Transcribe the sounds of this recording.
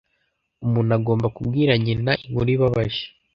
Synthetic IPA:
umuːnaɡo̞ːmbakub̚ɡiːɾaɲinaiŋɡoɾiβaβaʒe̥

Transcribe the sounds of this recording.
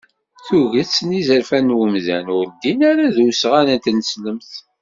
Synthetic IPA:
θuʝit͡sːnizəɾfænwəmzæ̰nʊɾd̪inæɾaðusʁænænt̪nəsləmθ

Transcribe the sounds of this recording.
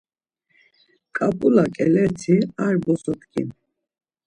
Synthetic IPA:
kʼapʼulakʼɛlɛɾt̪ʰiaɾbɔsɔt̪ʰkʰʼḭn

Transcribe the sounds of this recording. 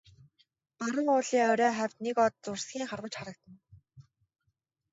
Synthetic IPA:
paɾə̆ŋʊːɮiːŋœɾʲœːχæwʲt̪nekɔt̪̚t͡sʊrsɡʲiːŋχarwə̆t͡ɕχaɾə̆k̚t̪ə̆n

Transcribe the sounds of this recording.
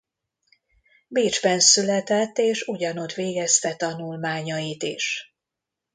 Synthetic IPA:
biːd͡ʒbɛnsylɛt̪ɛt̪ːeːʃuɟɒno̞t̪ʋeːɡɛst̪ɛt̪ɒnulmaːɲɒit̪ḭʃ

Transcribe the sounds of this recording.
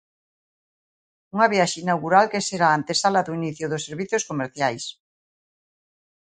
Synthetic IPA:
uŋaβjaʃinawɣuɾalkeseɾaant̪esalaðuiniθjoðoseɾβiθjoskomeɾθjajs

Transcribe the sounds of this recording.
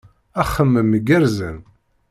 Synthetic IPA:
æχːəmːəməɡəɾzən

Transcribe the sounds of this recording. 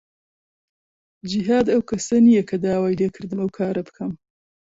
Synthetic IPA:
d͡ʒiɦaːd̪ɐwkʰɐsɐnijɐkʰɐd̪aːwaːjleːkʰɨɾd̪ɨmɐwkʰaːɾɐbɨkʰɐm

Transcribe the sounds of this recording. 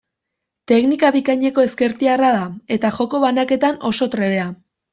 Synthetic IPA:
t̪e̞knikaβikaɲe̞ko̞e̞ske̞ɾt̪iarað̞ae̞t̪aʝo̞ko̞βanake̞t̪ano̞so̞t̪ɾe̞βe̞a

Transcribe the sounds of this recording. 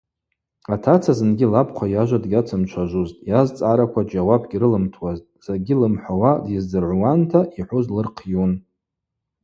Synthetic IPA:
atʰat͡sʰazɨnɡʲɪlapʰqʷʰajaʒʷadɡʲat͡sʰamt͡ʃʷʰaʒʷuztʼjazt͡sʼaɾakʷʰad͡ʒawabɡʲiɾɨlɨmtʰwaztʼz̥aɡʲilɨmħʷawadjɪzdɨrʕʷwantʰaiħʷuzlɨrqʰjun

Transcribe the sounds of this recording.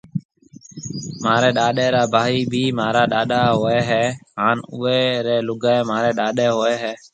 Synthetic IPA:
maːɾeːɗaːɗeːɾaːbʱaːiːbʱiːmaːɾaːɗaːɗaːɦoːɛːɦɛːɦaːnʊːeːɾeːlʊɡaːeːmaːɾɛːɗaːɗeːɦoːɛːɦɛː

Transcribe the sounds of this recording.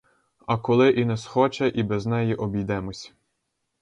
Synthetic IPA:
ɐkɔlˠɪʔinɛsxɔt͡ʃɛʔibɛznɛjiʔɔbʲijd̪ɛmɔsʲ

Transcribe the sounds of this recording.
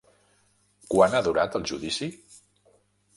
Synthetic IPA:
kwanaðuɾat̪əlˠʒuðisi

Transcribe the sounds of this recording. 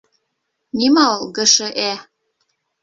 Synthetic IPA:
nʲimɑlɣɘ̆ʃɘ̆ʔæ

